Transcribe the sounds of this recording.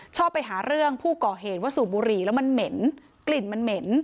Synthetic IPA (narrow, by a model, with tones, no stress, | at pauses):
t͡ɕʰɔː˥˩pːa˧jɦaː˩˦ɾɯ˥˩əŋpʰuː˥˩kɔː˨˩ɦeː˨˩t̪̚waː˥˩suː˨˩buː˧ɾiː˧˩lɛ˦˥wma˧nme˩˦n | kli˨˩nma˧nme˩˦n